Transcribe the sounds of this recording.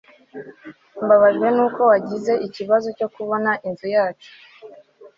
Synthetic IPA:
mbaβaʒɡwe̞nuːko̞waɟize̞ʔiciβazo̞co̞kuβo̞naʔinzujaːt͡ʃu̥

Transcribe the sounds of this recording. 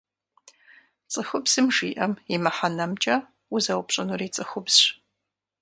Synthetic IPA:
t͡sʼɨxʷʊbz̥ɨmʒiːʔɐmimɐħanɐmt͡ʃʼɐ | ʊzɐwpɕʼɪnuriːt͡sʼɨxʷʊbzɕ

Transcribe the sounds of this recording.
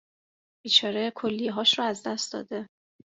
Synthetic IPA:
b̥iːt͡ʃʰɒːɾekʰolːijɦɒːʃɾɒæzd̪æst̪d̪ɒ̰ːd̪e

